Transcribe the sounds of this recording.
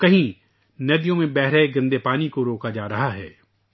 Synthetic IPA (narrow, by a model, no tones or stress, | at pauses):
kɐɦĩ | nɐd̪ijõmẽbɛɦɾaeɡɐ̃nd̪epaːnikoɾoːkad͡ʒaːɾɐɦaɦɛ̰ː